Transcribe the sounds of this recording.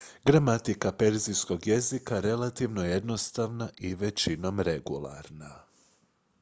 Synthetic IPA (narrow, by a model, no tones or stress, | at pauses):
ɡɾamat̪ikape̞ɾzijsko̞ɡje̞zikaɾe̞lˠat̪iʋnoje̞d̪no̞st̪aʋnaʔiʋet͡ɕino̞mɾe̞ɡulˠa̰ɾna